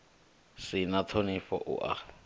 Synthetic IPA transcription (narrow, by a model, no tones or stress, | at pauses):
sɪnatʰonɪfɔ̰ʔʊ̰ʔa̰